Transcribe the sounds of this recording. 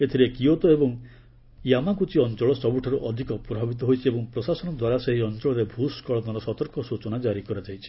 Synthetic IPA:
et̪ʰiɾekiot̪ɔebɔŋ | jamakut͡ʃiɔnt͡ʃɔɭɔsɔbuʈʰɔɾuʔɔd̪ʱikɔpɾɔbʱabit̪̬ɔɦojt͡ʃʰiebɔŋpɾɔsasɔnɔd̪waɾaseɦiɔnt͡ʃɔɭɔɾebʱuskɔɭɔnɔɾɔsɔt̪ɔɾkɔsut͡ʃɔnad͡ʒaɾikɔɾad͡ʒajt͡ʃʰi̥

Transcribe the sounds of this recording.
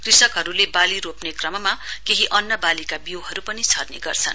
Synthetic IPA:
krisʌkɦʌɾulebaliɾopnekrʌmʌmakeɦiʔʌnːʌbalikabiwɦʌɾupʌnit͡sʰʌrnḛɡʌrt͡sʰʌ̰n

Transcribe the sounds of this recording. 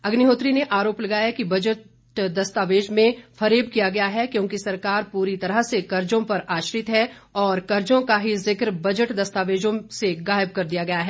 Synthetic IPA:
ɐɡnɪɦoːt̪ɾineʔaːɾoːplɐɡaːjakibɐd͡ʒəʈ | d̪ɐst̪aːʋeːd͡ʒmẽfʰɐɾeːbkijaɡɐjaɦɛkjõːkisɐɾkaːɾpuːɾit̪ɐɾəɦsekɐɾd͡ʒõpɐɾaːʃɾɪt̪ɦɛ | ɔːɾkɐɾd͡ʒõkaɦizɪkɾbɐd͡ʒəʈd̪ɐst̪aːʋeːd͡ʒõseɡaːjəb̚kɐɾd̪ijaɡɐjaɦɛː

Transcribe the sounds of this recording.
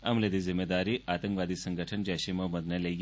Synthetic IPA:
ɐ̰mled̪izimːed̪aɾiʔat̪əŋkʋad̪isəŋɡʱəʈʰənd͡ʒaʃimɐməd̪nele

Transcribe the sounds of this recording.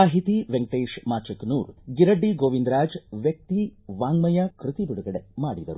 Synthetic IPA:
aːɦit̪iʋeŋkʈeːʂmaːt͡ʃɐkːnuːɾɡiɾɐɖːiɡoːʋind̪ɾaːd͡ʒʋjɐk̚t̪iʋaːŋmɐjɐkɾɨt̪ibiɽuɡɐɽemaːɽid̪ɐ̰ɾu

